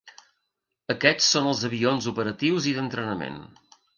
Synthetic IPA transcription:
əkɛt͡sːonəlˠzəβionzupəɾət̪iwziðənt̪ɾənəmḛn

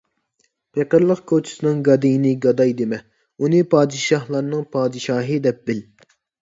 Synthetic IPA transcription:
pʰeqəɾlˠəqkʰot͡ʃʰi̥sɨnɨŋɡɑd̪ijinɨɡɑd̪ɑjd̪emɛ | unɨpʰɑːd̪ɨʃɑhlˠɑɾnɨŋpʰɑːd̪ɨʃɑːɦɨd̪ɛp̚bɪl

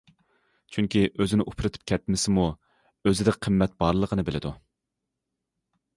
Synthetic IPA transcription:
t͡ʃʰyŋkʲiʔøzɪnɪʔupʰɾɨt̪ʰɨ̥p̚kʲʰɛt̪̚mɪsɪmu | øzɪd̪ɪkʲqʰəmːɛt̪̚b̥ɑɾlˠəqʰənɨbɪlɪd̪u

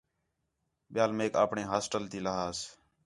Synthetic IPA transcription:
ɓɪjaːlmeːka̰ːpɳẽːɦaːsʈəlt̪iːləɦaːs

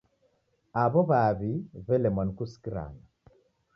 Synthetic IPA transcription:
aβɔβaβivɛlɛmankuskiɾa̰na

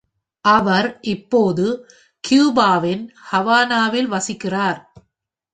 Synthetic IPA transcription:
ʔɐʋɐɾʔɪpːoːðɯ | kjuːbaːʋɪnhɐʋaːnaːʋɪlʋɐsɪkːɪraːɾ

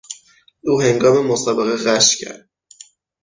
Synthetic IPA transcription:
uːɦe̞ŋɡɒːme̞mosɒːbeɣeɣæʃcʰæ̰ɾd̪̥̚

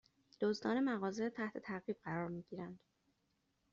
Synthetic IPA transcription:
d̪̥ozd̪ɒːnemæɣɒːzet̪ʰæht̪ʰe̞t̪ʰæɾɣiːb̥̚ɢæɾɒːɾmiːɟiːɾænd̪̥

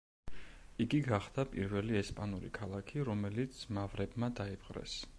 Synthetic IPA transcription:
iɡiɡaχd̪̥apʼḭɾvɛliɛspʼanuɾḭkʰalˠakʰiɾɔmɛlit̪sʰmavɾɛbmad̪aipqʼɾɛ̰s

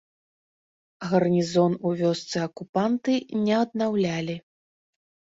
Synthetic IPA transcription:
ɣɐrnʲizɔnuvʲɔst̪sɨɐkupant̪ɨnʲɛɐd̪̚nawlʲalʲi

